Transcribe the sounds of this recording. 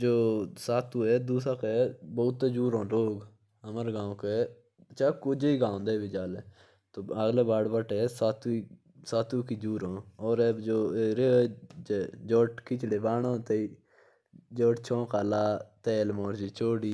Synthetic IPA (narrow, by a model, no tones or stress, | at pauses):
d͡ʒoːsaːt̪uːɛːd̪uːs̬aːkeːboːt̪ːed͡ʒuːɾõːɾoːɡ | əməɾɡãːõkeː | t͡ʃaːkʊd͡ʒiːɡãːnd̪eːbid͡ʒaːlː | t̪oːəɡleːbaːɽbəʈɛːsaːt̪ːi | saːt̪ukiːd͡ʒuːɾõːɔːɾɛːd͡ʒoːeɾed͡ʒed͡ʒoːʈkɪt͡ʃɽeːbaːɳõːt̪eiː | d͡ʒoːʈt͡ʃʰõːkaːlaːt̪eːlmoːɾd͡ʒiːt͡ʃʰoːɽiː